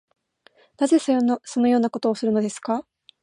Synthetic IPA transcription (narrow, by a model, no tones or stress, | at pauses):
naze̞snso̞no̞jo̞ːnako̞t̪o̞ːsɨɾɯ̟no̞d̪e̞sɨ̥ka